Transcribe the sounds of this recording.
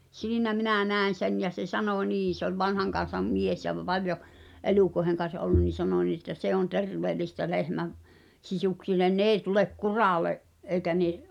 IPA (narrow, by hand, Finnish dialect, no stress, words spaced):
siːnæ minæˑ næˑen̞ sen jɑ se sɑnoˑ niː se olʲ ʋɑnhɑŋkɑn̞sɑm mies jɑ ʋ ʋɑljo eluˑkoĕheŋ kɑn̞s ʔolːun nin̞ sɑno niː etːæ se on terʋeːlistæ lehmæʋ sisuksilːen n eːĭ tulek kurɑˑleʔ ʔeikæ neʔ